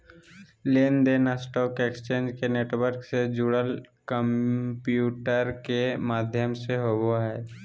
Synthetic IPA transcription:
leːnd̪eːnasʈɔːkeːkst͡ʃẽːnd͡ʒkeneːʈwəɾksed͡ʒuːɽəlkəmpjuːʈəɾkemaːd̪ʱjəmseɦowoɦɛː

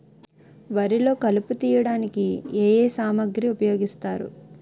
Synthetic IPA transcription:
ʋɐɾilo̞ːkɐluput̪iːjɐɽaːnikieːjeːsaːmɐɡɾiupɐjo̞ːɡist̪aːɾṵ

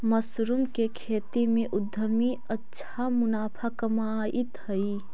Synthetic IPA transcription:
məsɾʊmkekʰeːt̪imẽʔʊd̪ʱːəmi | ətːʃʰamʊnaːpʰakɐmaːʔɪt̪hɐi

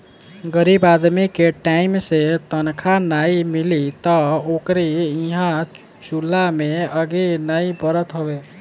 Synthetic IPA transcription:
ɡəɾibad̪mikeʈaimset̪ənkʰanaimilit̪ɔokɾiiɦã | t͡ʃulːameəɡenaibəɾət̪ɦobe

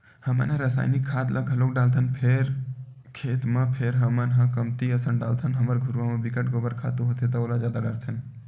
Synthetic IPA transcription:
həmə̰nɦə̃ɾəsa̰ːjnikʰːaːt̪lʔaɡʱəlokɖaːlt̪ʰənpʰeɾ | kʰeːt̪mə̃pʰeɾɦəmənɦə̃kəmt̪iəsənɖaːlt̪ʰənɦɐməɾɡʱuɾʋamə̃bikəʈɡobəɾkʰa̰ːt̪uɦot̪ʰet̪aoːlazjaːd̪aɖəɾt̪ʰən

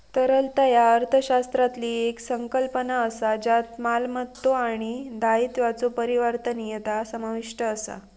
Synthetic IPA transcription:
t̪əɾəlt̪ajaəɾt̪ʰəɕast̪ɾat̪liːeksəŋkəlpənaəsad͡ʑat̪malmət̪ːoaɽ̃id̪ait̪ʋat͡sopəɾiʋəɾt̪ənjet̪asəmaʋiʂʈəːsa̰

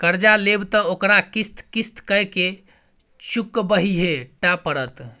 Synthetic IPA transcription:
kəɾd͡ʒalebt̪əokɾakist̪kist̪kəjke | t͡ʃukːbəɦiɦeʈapəɾət̪

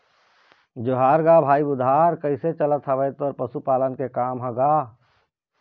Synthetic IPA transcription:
d͡ʒoɦaːɾɡabʱaːibʊd̪ʱɦaːɾkəɪset͡ʃələt̪ɦəbəjt̪ɔɾpəsupaːlənkekaːmɦə̃ɡaː

